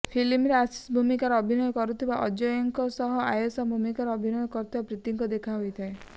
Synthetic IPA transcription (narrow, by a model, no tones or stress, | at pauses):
pʰilimɾeasi̥sbʱumikaɾɔɔbʱinɔjɔkɔɾut̪ʰibaʔɔd͡ʒɔjɔŋkɔsɔɦɔajɔsɔbʱumikaɾɔɔbʱinɔjɔkɔɾut̪ʰibapɾit̪iŋkɔd̪ekʰaɦojt̪ʰae